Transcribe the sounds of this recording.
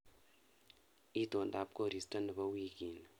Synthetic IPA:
i˦to˨nda˨p̚ko˦˨ɾi˨sta˦ndə˨ba˦wi˦ki˨n

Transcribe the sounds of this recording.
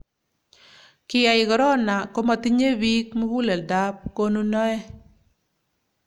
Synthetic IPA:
kɪ˦ja˨ɪ˨ɡɔ˨ɾɔ˦na˨ko˦ma˦t̪i˦ɲe˦bi˦kmo˦hu˦lɛ˨lda˦p̚ko˦nu˦nɔ˦ɛ˦

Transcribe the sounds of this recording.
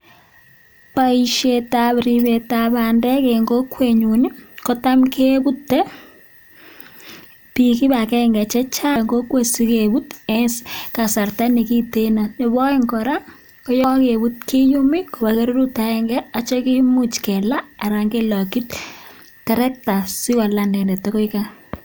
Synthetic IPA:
paiʃe˨ta˦βɾi˨βe˨taβa˨ndɛ˦keŋɡo˦kwe˨ɲu˨ni˦ko˦ta˦mkʰe˦bu˦tːɛ˦ | piki˦ba˨kɛ˦ŋɡɛ˨t͡ʃɛ˦t͡ʃa˦ŋɡo˦kwe˨si˦ke˨bu˦tɛska˨sa˨rta˦ni˨ki˦te˦na˨nɪ˨bɔ˦ɪ˦ŋkɔ˨ɾa˦ | kɔ˦jɔ˦ke˨bu˦t̚ki˦ju˦mɪ˦ko˨ba˨keɾo˦ɾu˦ta˨ɛŋɡɛ˦a˦t͡ʃe˦ki˦mu˦t͡ʃkɛ˨la˦a˨ɾa˨ŋɡe˦la˨ki˦t | kɛ˨ɾɛ˦k̚ta˨si˦wa˨landɛ˨nɛ˨toko˦ika˦

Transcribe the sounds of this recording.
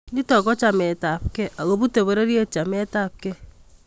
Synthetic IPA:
i˦tɔ˨kɔ˦t͡ʃa˨mɛ˨ta˨p̚kɛ˦ʔa˨ɣo˨bu˦te˨βo˨ɾe˦ɾi˦e˦t͡ʃa˨mɛ˦ta˦˨p̚kɛ˦

